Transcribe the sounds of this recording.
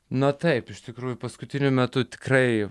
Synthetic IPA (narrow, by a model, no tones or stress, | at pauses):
nɐt̪ɐɪpɪʃt̪ʲɪkɾuːjʊpɐskʊt̪ʲɪnʲʊmʲɛt̪ʊt̪ʲɪ̥krɐɪ